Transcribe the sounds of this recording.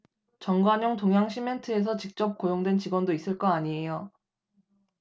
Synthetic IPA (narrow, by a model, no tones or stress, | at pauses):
t͡ɕʌŋɡwaɲʌŋtoŋɦjaŋɕʰimentʰɯe̞s̬ʰʌt͡ɕik̚t͡ɕ͈ʌp̚k͈ojoŋdwe̞nt͡ɕiɡwʌndois͈ɯɭk͈ʌaɲiejo